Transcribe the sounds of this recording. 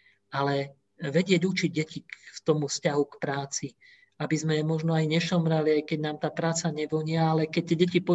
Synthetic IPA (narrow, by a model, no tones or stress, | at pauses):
alɛ | ʋɛɟɪɛɟut͡ʃiɟ̚ːɛcift̪ɔmufscaɦukpɾaːt͡si | abizmɛmɔʒnɔajɲɛʃɔmɾaliajkɛɟnaːmt̪aːpɾaːt͡saɲɛʋɔɲɪaalɛkɛc̚t̪ɛɟɛcipɔ